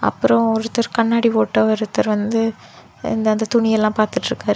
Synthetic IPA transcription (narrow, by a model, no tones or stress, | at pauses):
ɐ̰pːɯɾɔ̃ɔɾɯt̪ːɐɾkɐɳːaːɽiʋoːʈːɐɔɾɯt̪ːɐɾʋɐnd̪ɯ | ɪ̰nd̪ɐːnd̪ɐt̪ʊɳɪjɛlːãːpaːɾt̪ɯʈːɾɯkːaːɾ